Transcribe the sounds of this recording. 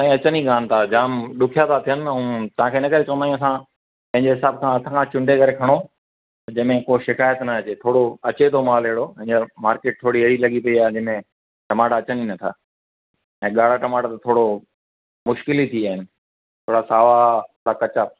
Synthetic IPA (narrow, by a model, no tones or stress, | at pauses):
t̪ãːĩɐt͡ɕəniɡaːnɪt̪ʰad͡ʑaːmɗʊkʰijat̪ʰat̪ʰijənɪ̆ɐũːt̪ɐʋ̤ãːkʰeːɪnə̆kɐɾekɐ̃nd̪aːjũɐsã | pɐ̃ɦɪ̃ɲd͡ʑeɦɪsaːb̚kʰãːɐt̪ʰãːkʰãːt͡ɕʊ̃ɳɖʱekɐɾekʰɐɽ̃o | t̪ɐd͡ʑɐmẽkoʃɪkaːjət̪nɐɐt͡ɕet̪ʰoːɽoɐt͡ɕet̪ʰomaːleɦɽopɐ̃ɦɪ̃ɲd͡ʑəmaːɾkeːʈ̚t̪ʰoːɽiɐɪɽilɐɠipɐiaːɦɪd͡ʑəmẽ | ʈɐmaːʈaːt͡ɕəninɐt̪ʰa̰ː | ɛ̃ːɠaːɽ̤aʈɐmaːʈat̪at̪ʰoːɽo | mʊʃkɪlit̪ʰiaːɦɪnɪ̆ | t̪ʰoːɽasaːʋat̪ʰoːɽakɐt͡ɕaː